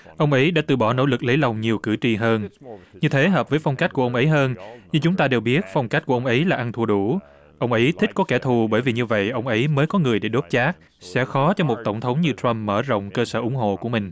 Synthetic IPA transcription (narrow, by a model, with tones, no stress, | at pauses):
ʔə˧wŋ͡mʔə˨˦jɗa̰ː˧˥t̪ɨ̰˧˩ɓɔ˧˩no̰˧˥lɨ˨˩k̚lə˨˦jlə˨˩wŋ͡mɲi˨˩əwkɨ˧˩t͡ɕi˧ɦəː˧nɲɨ˧t̪ʰe˨˦ɦəː˨˩p̚vəː˨˦jfɔ˧wŋ͡mka˦˥k̚ku˧˩əʔwŋ͡mʔə˨˦jɦəː˧nɲɨ˧ŋt͡ɕʊ˨˦ŋ͡mt̪aː˧ɗe˨˩wɓi˦˥ət̚fɔ˧wŋ͡mka˦˥k̚kə˧wŋ͡mʔə˨˦jlaː˨˩ʔa˧nt̪ʰu˧˩ɗu˧˩ | ʔə˧wŋ͡mʔə˨˦jt̪ʰï̟˦˥kɔ˨˦kɛ˧˩t̪ʰu˨˩ɓəː˧˩jvi˨˩ɲɨ˧və̰˧˨jʔə˧wŋ͡mʔə˨˦jməː˨˦jkɔ˨˦ŋɨ˨˩əjɗe˧˩ɗo˦˥p̚t͡ɕaː˦˥k̚ | sɛ̰˧˥xɔ˨˦t͡ɕɔ˧mo˨˩t̚t̪ə˧˩wŋ͡mt̪ʰə˨˦ŋ͡mɲɨ˧t̪ɹa˧mːəː˧˩zə̰˧˨wŋ͡mkəː˧səː˧˩ʔʊ˧˩˦ŋ͡mɦo̰˧˨ku˧˩əmï˨˩ŋ̟